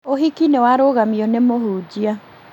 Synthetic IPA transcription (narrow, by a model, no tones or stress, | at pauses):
oɦikinewaɾoɣamiɔnemoɦuːd͡ʑia